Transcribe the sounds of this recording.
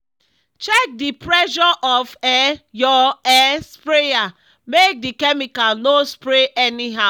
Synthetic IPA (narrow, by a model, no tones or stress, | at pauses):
t͡ʃɛk̚dipɹɛʃɔʔɔfɛjɔɛspɹeja | mek̚dikɛmikanospɹeʔɛniɦaʊ